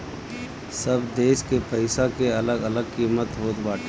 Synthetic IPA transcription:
sɐbd̪eːʃkepɐɪsakeɐləɡɐləɡ̚kiːmət̪ɦoːt̪baːʈʰː

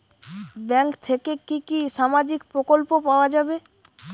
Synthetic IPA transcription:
bɛŋkt̪ʰekekikiʃamad͡ʑikpɾokolpopaoad͡ʑabe

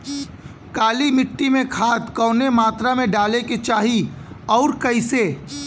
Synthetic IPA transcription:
kaːlimɪʈːimẽkʰaːt̪kɔːnemaːt̪ɾamẽɖaːleket͡ʃaːɦi | ɔːɾkɐɪse

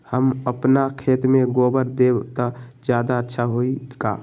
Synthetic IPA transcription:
həməpnakʰet̪meɡobəɾd̪ebt̪ɔd͡ʒjad̪aətːʃʰaɦoika̰

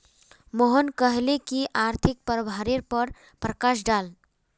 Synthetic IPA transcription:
moɦənkəɦlekiʔaɾt̪ʰik̚pəɾbʱaɾeɾpəɾ | pɾəkaʃ̬ɖal

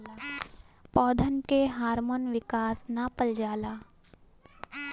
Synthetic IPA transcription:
pɔːd̪ʱənkeɦaːɾmoːnʋɪkaːsnapəld͡ʒaːlaː

